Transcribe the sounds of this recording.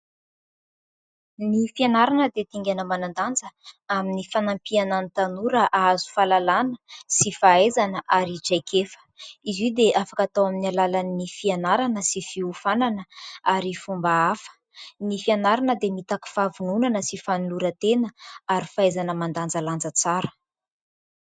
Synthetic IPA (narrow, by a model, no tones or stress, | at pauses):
nifianaɾanəd̪et̪iŋɡʲanəmanand̪and͡zəaminifanampiananit̪anuɾəʔaazu̥falalanəsifaejzanəʔaɾiʈ͡ʂajkefə̥izid̪eʔafakat̪awaminialalanːifianaɾanəsifiufananəaɾifumbaafə̥ | nifianaɾanəd̪emit̪aki̥favununanəsifanuluɾət̪enəaɾifaejzanəmand̪and͡zaland͡zət͡saɾə̥